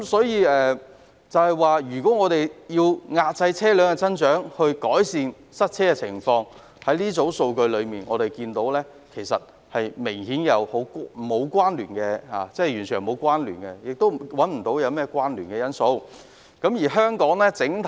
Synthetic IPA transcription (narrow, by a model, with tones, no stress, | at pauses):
msɔː˨˥jiː˧ɛː˨ | t͡sɐ˨whɐ˨˩jwaː˨jyː˨˩kɔː˨˥ŋɔː˨˧ɾe˨jjiː˧wŋaː˧t̚t͡sɐ˧jt͡sʰɛː˥lœː˨˧˥ŋɛ˧t͡sɐ˥nt͡ʃœː˨˥ŋhɵ˧ɥkɔː˨˥jsiː˧n | sɐ˥t̚t͡sʰɛː˥kɛ˧t͡sʰɪ̰˨˩ŋfɔː˧ŋ | hɐ˨˥jliː˥t͡so˨˥wso˧wkɵ˧ɥlɵ˨˧ɥmiː˨˩nʔɔ̰ː˨˧ɾe˨jkiː˧nt̪o˨˥wlɛː˥ | kʰe˨˩jsɐ˨t̚ | hɐ˨jmɪ˨˩ŋhiː˨˥njɐ˨˧who˨˥wkmo˨˧wkʷwaː˥nlyː˨˩nkɛ˧ha̰ː˨˩t͡sɛː˥jyː˨˩nt͡sʰy˨˩jmo˨˧wkʷwaː˥nly̰ː˨˩nkɛ˧jɪ˨k̚t̪o˥wwɐ˨˥nm̩˨˩t̪o˨˧˥wjɐ˨˧wmɛː˥kwaː˥nlyː˨˩nkɛː˧jɐ˥nso˧w | kɐ˨˥mjiː˨˩ɦœː˥ŋkɔː˨˥ŋlɛː˥t͡sɪ˨˥ŋt̪ʰ